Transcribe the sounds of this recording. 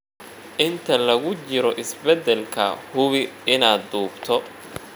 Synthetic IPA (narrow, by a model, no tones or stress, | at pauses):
ʔɪnt̪ʰɐlɐɣʊt͡ʃɪɾɔʔɪsbɛd̪ɛlkʰɐ̰hʊβɪɪnaːd̪uːbt̪ʰɔ